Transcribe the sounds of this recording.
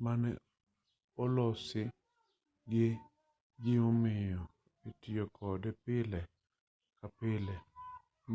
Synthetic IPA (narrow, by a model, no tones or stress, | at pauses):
manɛ̰ | ɔlɔsɪ | ɡe | ɡɪomɪjɔ | etɪjɔkʰɔdɛpɪlɛ | kapɪlɛ | m